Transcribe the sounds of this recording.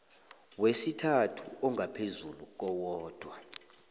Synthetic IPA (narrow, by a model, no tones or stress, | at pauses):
wesitʰatʰuɔŋʱapʰezuluk̬ɔwɔːd̥ʱwa